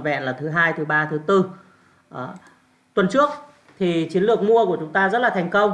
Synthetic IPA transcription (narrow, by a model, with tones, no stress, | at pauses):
vɛ̰˧˨nlaː˨˩t̪ʰɨ˨˦ɦaː˧jt̪ʰɨ˨˦ɓaː˧t̪ʰɨ˨˦t̪ɨ˧ | ʔ | t̪wə˨˩nt͡ɕɨ˦˥ək̚ | t̪ʰi˨˩t͡ɕi˨˦ənlɨ˨˩ək̚mu˧əku˧˩ət͡ɕʊ˨˦ŋ͡mt̪aː˧zə˦˥laː˨˩t̪ʰɛ˨˩ŋ̟kə˧wŋ͡m